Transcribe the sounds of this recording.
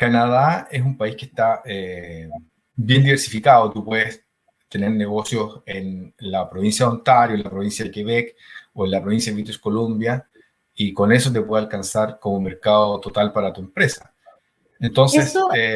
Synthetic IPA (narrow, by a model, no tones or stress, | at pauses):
kanaðaes̬umpaihke̥ht̪ae | bje̞nd̪iβeɾsifikaðot̪upwe̞ðes | t̪e̞neɾne̞ɣo̞sjosenlapɾoβinsjaont̪aɾjoenlapɾo̞βinsjaðekeβekoenlapɾo̞βinsjait̪uskolombja | iko̞nesot̪̬epwe̞ðealkansaɾko̞momeɾkaðot̪ot̪alpaɾat̪uempɾesḁ | ent̪o̞nsese